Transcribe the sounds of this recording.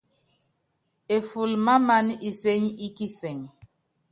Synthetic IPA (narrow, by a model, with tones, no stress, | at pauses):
e˨fu˨lma˦ma˦ni˨se˦ɲi˦ki˦sɛ˨ŋ